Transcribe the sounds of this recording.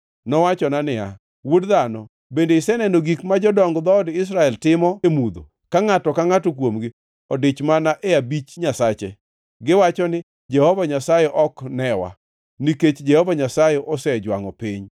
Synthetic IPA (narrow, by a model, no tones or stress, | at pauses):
nɔwat͡ʃɔnanɪa̰ | wodðanɔ̰ | bendeɪsɛnɛnoɡikmad͡ʒɔdɔŋɡd̪ɔɔdɪs̬ɾaɛltɪmɔemud̪o̰ | kaŋatɔkaŋatɔkwomɡɪ | ɔdɪt͡ʃmanaʔɛabit͡ʃɲasat͡ʃɛ | ɡɪwat͡ʃɔnɪ | d͡ʒɛhɔvaɲasajɛʔɔknɛwa̰ | niket͡ʃd͡ʒɛhɔvaɲasajɛʔɔsɛd͡ʒwaŋɔpɪɲ